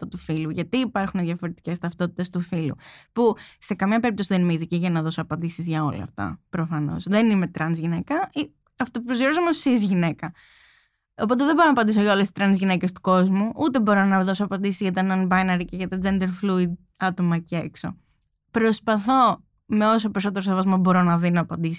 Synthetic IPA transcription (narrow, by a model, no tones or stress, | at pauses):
t̪ɐt̪ufiluʝɐt̪iːpɐɾxuneðʝɐfo̞ɾe̞t̪i̥ce̞st̪ɐft̪o̞t̪i̥t̪e̞st̪ufilṵpuse̞kɐmɲɐpe̞ɾip̚t̪o̞siðenimeiðiciʝɐnɐðo̞soɐpɐnd̪isizʝɐo̞̰lɐ̰ɐ̰ft̪ɐ̰pɾofɐno̞̰zðe̞nime̞t̪ɾɐnzʝinekɐi | ɐft̪opupɾosiɾos̬omossizʝine̞kɐ | op̬o̞t̪̬eðebo̞ɾonɐpɐnd̪iso̞ʝɐo̞lesi̥st̪ɾɐnzʝine̞ce̞st̪u̥ko̞zmuʔut̪e̞bo̞ɾonɐðo̞soɐpɐnd̪isizʝɐt̪ɐnɐnbɐjnɐɾiceʝɐt̪ɐd͡zend̪eɾfluid̪̚ | ɐt̪o̞mɐceḛkso̞̰ | pɾo̞spɐθo̞ | me̞o̞s̬o̞pe̞ɾso̞t̪e̞ɾosevɐzmobo̞ɾo̞nɐðinoːpɐnd̪isi̥